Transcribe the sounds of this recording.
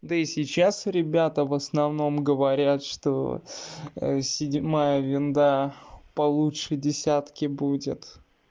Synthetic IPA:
d̪əisʲɪt͡ɕːasɾʲɪbʲat̪əvəsnɐvno̞mɡəvɐɾʲat̪ʂt̪o̰ | sʲɪdʲmajəvʲɪnd̪apɐlˠutʂɨdʲɪsʲat̪kʲɪbudʲɪ̰t̪

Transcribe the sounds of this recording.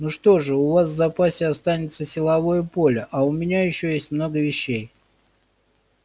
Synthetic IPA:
nuʂt̪o̞ʐɨʊvas̬vzɐpasʲɪɐst̪anʲɪt̪səsʲɪlˠɐvo̞jəpo̞lʲəʔɐʊmʲɪnʲajɪɕːojesʲtʲmno̞ɡəvʲɪɕːej

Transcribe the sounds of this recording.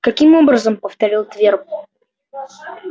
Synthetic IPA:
kɐkʲimo̞bɾəzəmpəft̪ɐɾʲilˠt̪vʲerp̚

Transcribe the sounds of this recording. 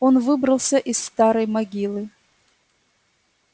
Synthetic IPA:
onvɨbɾɐlˠsʲɐʔisːt̪aɾɐjmaɡʲilˠɨ

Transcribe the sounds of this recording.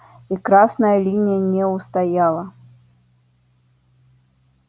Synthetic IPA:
ikɾasnɐjɐlʲinʲijɐnʲɛwst̪ajalˠɐ

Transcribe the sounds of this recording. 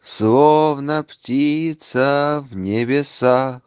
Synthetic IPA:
slˠovnəptʲit̪səvnʲɪbʲɪsa

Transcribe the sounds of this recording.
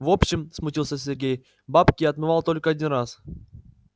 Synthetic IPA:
vo̞pɕːɪmsmʊtʲilˠsʲəsʲɪrɡʲej | bapkʲɪjɐt̪mɨvalˠt̪o̞lʲkəɐdʲinras

